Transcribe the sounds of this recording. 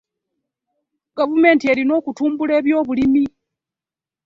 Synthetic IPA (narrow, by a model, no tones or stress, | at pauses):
ɡavume̞ːntieɾino̞ːkutuːmbuleːβjo̞ːβulimi